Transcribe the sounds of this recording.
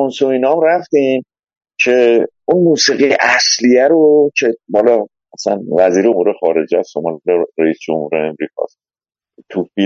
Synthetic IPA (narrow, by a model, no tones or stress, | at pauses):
onsoinɒmɾæft̪in | cʰe̞ | unmuːsiːɣiḛʔæslijæɾot͡ʃʰehɒːlɒ | æsænvæziːɾeomuːɾe̞xɒːɾe̞d͡ʒesʃomɒlleɾeiːsd͡ʒo̰mhuːɾeːmɾiːkʰɒ̰s | t̪ʰuːfi